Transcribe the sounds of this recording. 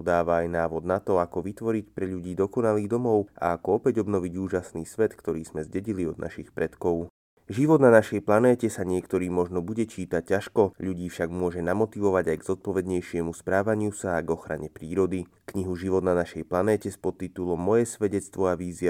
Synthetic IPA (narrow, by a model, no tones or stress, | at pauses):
d̪aːʋaajnaːʋɔd̪nat̪ɔakɔʋit̪ʋɔɾicpɾɛʎuɟiːd̪ɔkɔnaliːd̪ɔmɔʊʔa̰akɔɔpɛɟɔbnɔʋiɟuːʒasniːsʋɛt̪kt̪ɔɾiːz̥mɛzɟɛɟiliɔd̪̚nʔa̰ʃixpɾɛt̪kɔʊ | ʒiʋɔd̪nanaʃɛjplanɛːcɛsaɲɪɛkt̪ɔɾiːmɔʒnɔbuɟɛt͡ʃiːt̪ac̚cːaʃkɔʎuɟiːfʃaɡmʊɔʒɛnamɔt̪iʋɔʋaɟajɡz̥ɔt̪̚pɔʋɛd̪ɲɛjʃɪɛmuspɾaːʋaɲɪusaːɡɔxɾa̰ɲɛpɾiːɾɔd̪i | kɲiɦuʒiʋɔd̪nanaʃɛjplanɛːcɛspɔt̪ːit̪ulɔmːɔjɛsʋɛɟɛt͡st̪ʋɔaʋiːzia